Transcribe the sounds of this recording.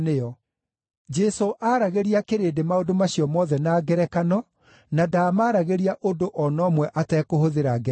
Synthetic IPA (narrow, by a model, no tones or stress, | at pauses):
neɔ | d͡ʒɛsoʔaɾaɣeɾiakeɾedemaodomaɕiɔmɔðɛnaːɡɛɾɛkanɔ | nadaːmaːɾaɣeɾiaʔodoʔɔnɔːmwɛʔatɛːkoɦoðeɾaɡɛ